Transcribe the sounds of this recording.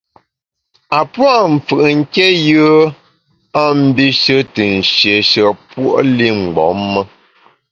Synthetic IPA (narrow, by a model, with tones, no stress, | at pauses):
a˨pwa˦˨m̩˨fɨ˨ʔŋ̩˦ke˦jɯ˦ | a˦m̩˦bi˦ʃə˦tɨ˨n̩˨ʃje˨ʃə˨pwo̰˦ʔli˦˨ŋ͡m̩˨ɡ͡bɔ̰˨˦mːə˦